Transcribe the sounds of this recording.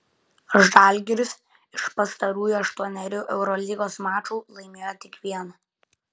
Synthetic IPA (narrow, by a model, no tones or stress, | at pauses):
ʒd̪ɑˑlʲɡʲɛɾʲʊs | ɪʃpɐst̪ɐɾuːjuːɐʃt̪uɔnʲɛɾʲuːʔɛʊɾɔlʲiːɡoːsmɑːt͡ʃuːlˠɐɪmʲeːjot̪ʲɪkʋʲiɛnɐ